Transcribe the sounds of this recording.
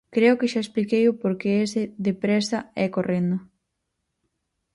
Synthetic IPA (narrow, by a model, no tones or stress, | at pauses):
kɾeʊkɪʃaesplikejʊpoɾkeesɪðepɾɛsɐɛkorend̪ʊ